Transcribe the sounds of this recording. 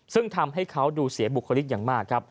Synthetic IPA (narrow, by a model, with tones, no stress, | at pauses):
sɯ˥˩ŋt̪ʰa˧mɦa˥˩jkʰa˦˥wduː˧si˨˩˦ɐbu˨˩kʰːa˧li˦˥t̪̚jaː˨˩ŋmaː˥˩kʰːɾa˦˥p̚